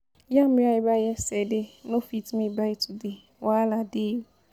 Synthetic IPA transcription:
jamiajɪbajɛsɛdɪnõfitmĩbaɪtʰude | walade

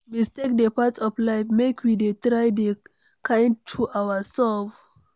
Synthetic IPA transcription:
mistek̚dəpatɔflaɪfmekʰwidetɹajde | kʰãj̃nd̚tʰuʔawəsɛlf

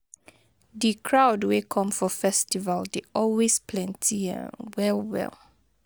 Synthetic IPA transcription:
dikʰɹaʊdwekʰɔ̃mfɔfɛstivaldeɔlwespʰlɛ̃ntʰiə̰̃wɛlwɛ̰lˠ

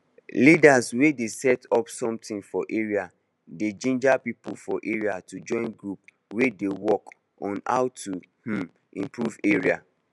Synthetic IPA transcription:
lidaswedesɛtɔpsɔ̃mtĩnfɔʔeɹia | ded͡ʒẽnd͡ʒapipṵfɔʔeɹiatud͡ʒɔ̃ɪ̃nɡɹup | wedewɔk | ɔ̃na̰ʊtu | h̩ | ḭ̃mpɹuveɹia̰

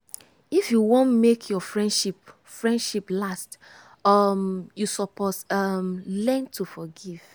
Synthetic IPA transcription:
ifjuwõntmekʰjɔfɹɛ̃nʃip | fɹɛ̃ndʃiplast | amjusɔpɔsamlɛ̃ntʰufɔɡiv̥

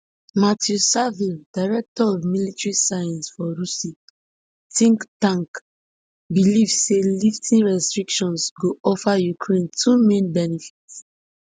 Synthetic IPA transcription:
matʰjusavildaɪɹɛk̚tɔɔvmilitɹisajãnsfɔɹusi | tĩŋktãŋk | bilivseliftʰĩnɹɛstɹikʃɔ̃nsɡoʔɔfajukʰɹẽntʰumẽnbɛnifi̥ts

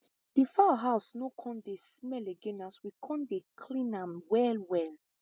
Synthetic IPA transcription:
d̥ifaɦaʊsnokʰɔ̃ndesmɛleɡenaswikʰɔ̃ndekʰlĩnãmwɛlwɛl

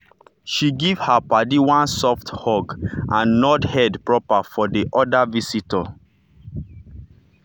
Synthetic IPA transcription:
ʃiɡiv̥hapadiwãnsɔfthɔɡʔãnːɔdhɛdpɹɔpafɔdiʔɔdavisitɔ

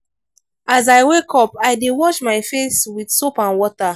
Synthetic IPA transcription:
azaɪwekʰɔpajdewɔʃmaɪfeswid̥sopãnwɔta

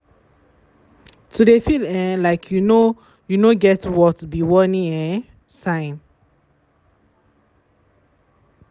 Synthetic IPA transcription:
tʰudefilɛ̃nlaɪkʰjuno | junoɡɛtwɔtbiwɔnĩŋɛ̃ | sãɪ̃n

